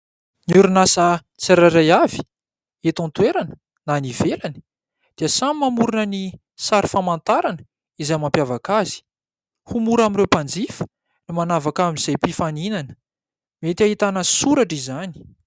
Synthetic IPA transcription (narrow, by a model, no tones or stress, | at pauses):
niuɾunasə | t͡saɾaɾajavi̥ | et̪ɔ̃nt̪weɾanə̥ | nanivelani̥ | d̪̥iəsamimamuɾunəni | saɾifamant̪aɾanə | izajmampjavakazi̥ | humuɾaminɾewpand͡zifə̥ | nimanavakamiiz̥ajpifaninanə̥ | met̪iaɦit̪anəsuɾaʈ͡ʂizani̥